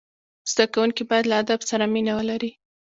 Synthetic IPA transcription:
z̥d̪akawuŋkibɑjad̪laad̪absaɾaminawəlaɾi

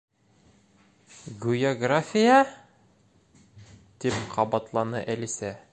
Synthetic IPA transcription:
ɡujoɡrafʲɪja | t̪ipqʰɑbɑt̪lˠɑnɤʔælisæ

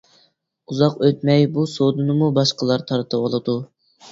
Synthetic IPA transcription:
uzɑqøt̪mɛjbusod̪ɨnɨmubɑʃqəlˠɑɾt̪ʰɑɾt̪ʰɨwolˠɨd̪u

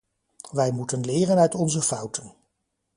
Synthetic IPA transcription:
ʋɛjmutənlɪːrənœɥtɔnzəfɑwtʰən

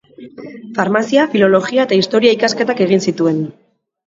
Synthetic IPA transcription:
faɾmasiafilo̞lo̞ɣiae̞t̪aist̪o̞ɾiaikaske̞t̪ake̞ɣinsit̪ue̞n

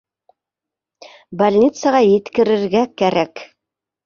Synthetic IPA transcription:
balʲnʲit̪səʁɑjɘ̆t̪kɘ̆ɾɘ̆ɾɡækæɾæk

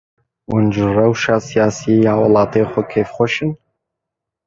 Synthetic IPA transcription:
wʔʊnʒrɐwʃaːsijaːsijejaːwɑlɑːt̪eːxʷɔkʰeːfxʷɔʃɨn

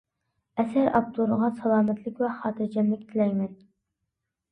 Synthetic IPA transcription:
ɛsæɾʔɑ̰p̚t̪ʰuɾəʁɑsɑlˠɑːmɛt̪ʰlɪkʲwɛχɑːt̪ʰɨɾd͡ʒɛmlɪkʲt̪ʰɪlɛjmɛn

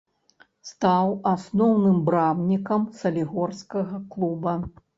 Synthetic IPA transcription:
st̪awasnɔwnɨmbɾamnʲikɐmsɐlʲiɣɔrskɐɣɐklˠubɐ

